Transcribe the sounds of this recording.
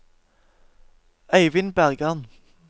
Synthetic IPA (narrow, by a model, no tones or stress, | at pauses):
æɪʋɪnbæʁɡɑn